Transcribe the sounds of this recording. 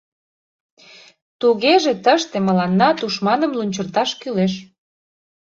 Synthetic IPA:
t̪uɣeʒet̪əʃt̪eməlɑnːɑt̪uʃmɑnə̆mlunʲt͡ɕərt̪ɑʃkyleʃ

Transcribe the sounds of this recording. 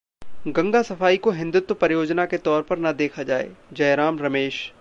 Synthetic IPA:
ɡɐ̃ŋɡasɐfaːikoɦɪ̃nd̪ʊt̪wpɐɾjoːd͡ʒnaket̪ɔːɾpɐɾnɐd̪eːkʰad͡ʒaːḛd͡ʒɐjɾaːmɾɐmeːʃ

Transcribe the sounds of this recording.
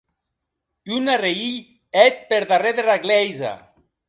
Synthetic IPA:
ynareiʎ | ɛt̪̚peɾðareðeraɣlɛjza̰

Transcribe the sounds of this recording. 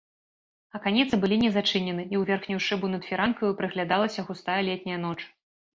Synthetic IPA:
ɐkanʲɛt̪sɨbɨlʲinʲɛzat͡ʂɨnʲɛnɨiwvʲerxnʲuwʂɨbunɐt̪fʲiɾankɐjupɾɨɣlʲad̪alˠɐsʲɐɣust̪ajɐlʲɛt̪ʲnʲɐjɐn̪ɔt͡ʂ

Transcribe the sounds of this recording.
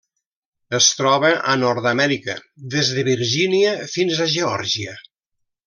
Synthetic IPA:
əst̪ɾɔβəʔənɔɾðəmɛɾikə̰ðezðəβiɾʒiniəfinzəʒeɔɾʒiə

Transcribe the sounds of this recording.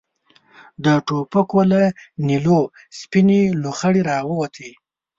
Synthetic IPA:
d̪əʈopəkolanilo | spineluxəɽiɾɑwəwat̪ʰi

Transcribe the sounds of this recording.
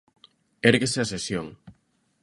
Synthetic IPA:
eɾɣeseasesjoŋ

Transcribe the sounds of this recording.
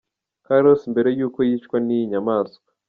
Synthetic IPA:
kaɾosimbe̞ɾe̞juːko̞jiːt͡ʃkwaniɲamaːsɡḁ

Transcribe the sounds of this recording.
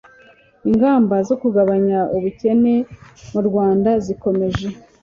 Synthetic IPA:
iŋɡaːmbazo̞kuɡaβaɲaʔuβuce̞ne̞muɾɡwaːndaziko̞me̞ʒe̞

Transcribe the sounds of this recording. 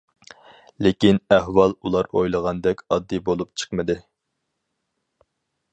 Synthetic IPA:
lekʲinæhwɑlˠulˠɑɾojlˠəʁɑnd̪ɛkʲɑd̪ːibolˠup̚t͡ʃʰə̥qmɨd̪ɪ

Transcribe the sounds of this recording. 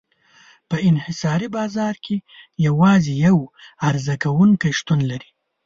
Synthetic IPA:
pəɪnhɪsɑɾibɑzɑɾkʰejawɑzejawaɾzakawuŋkajʃt̪unlaɾi

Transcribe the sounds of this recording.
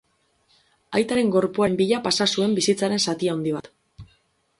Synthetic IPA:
ajt̪aɾe̞ŋɡo̞ɾpuambiʎapasasue̞mbisit͡saɾe̞nsat̪iaond̪iβ̞at̪

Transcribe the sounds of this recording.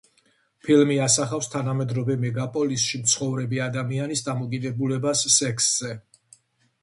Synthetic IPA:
pʰilmiasaχafst̪ʰanamɛd̪ɾɔvɛmɛɡapʼɔlisʃimt̪sʰχɔvɾɛbiad̪amianisd̪amɔkʼid̪ɛbulɛbasːɛksz̥ɛ

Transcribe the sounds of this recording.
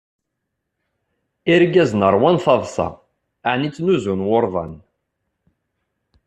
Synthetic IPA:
iɾɡæznəɾˤwænθɑðˤsɑ̰ | aʕnit͡sːnuzunwoɾˤðˤɑ̰n

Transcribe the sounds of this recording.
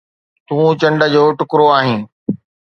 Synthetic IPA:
t̪ũːt͡ɕɐ̃ɳɖəd͡ʑoːʈʊkɾoaːɦĩː

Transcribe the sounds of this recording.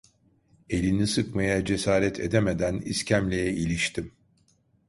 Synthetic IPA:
e̞lʲinisɯkmajad͡ʒe̞saːɾɛt̪ʰḛd̪emed̪æniscʰæmlʲejɛilʲiʃt̪ʰim

